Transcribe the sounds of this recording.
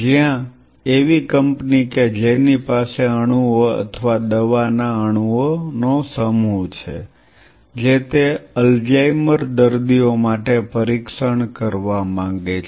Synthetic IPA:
d͡ʒijã | eʋikəmpniked͡ʒenipaseəɽ̃uoə̰t̪ʰəʋad̪əʋanaəɽ̃uonosəmut͡ʃʰḛ | d͡ʒet̪eəld͡ʒajməɾd̪əɾd̪iomaʈepəɾikʃəɳkəɾʋamãŋɡet͡ʃʰ

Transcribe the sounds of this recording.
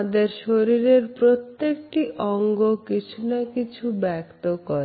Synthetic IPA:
d̪eɾʃoɾiɾeɾpɾot̪ːekʈiʔɔŋɡokit͡ɕʰunakit͡ɕʰubɛkt̪okɔɾe

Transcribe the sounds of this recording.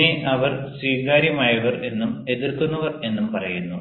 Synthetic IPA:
eʔɐʋɐrswiːɡaːɾjɐmaːjɐʋɐre̞nːume̞ðirkunːɐʋɐre̞nːumpɐrɐjunːu

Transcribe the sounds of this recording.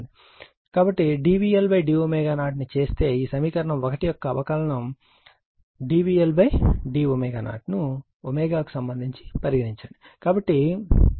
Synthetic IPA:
i | kaːbɐʈːiɖiːʋiːelbɐjɖiːomeːɡaːnaːʈ̬nit͡ʃe̞ːst̪e̞ːiːsɐmiːkɐɾɐɳɐmɔkɐʈijɔkːɐːʋɐkɐlɐɳɐm | ɖiːbiːelbɐjɖiːomeːɡaːna̰ːʈnu | omeːɡaːku̥sɐmbɐnd̪ʱiɲt͡ʃi̥pɐɾiɡɐɾiɲt͡ʃaːɳɖi | kaːbɐʈːi

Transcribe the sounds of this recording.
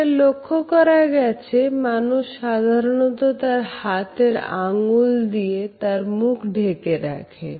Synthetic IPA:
elokʰːokɔɾaɡɛt͡ɕʰemanuʃːad̪ʱaɾonot̪ot̪aɾhat̪eɾa̰ŋuld̪iet̪aɾmukʰɖʱekeɾa̰kʰḛ

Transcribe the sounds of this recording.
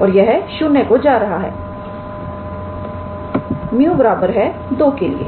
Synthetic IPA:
ɔːɾjɐɦʃʊnːekod͡ʒaːɾɐɦaɦɛ̰ː | mijũbɐɾaːbəɾɦɛd̪oːkelḭḛː

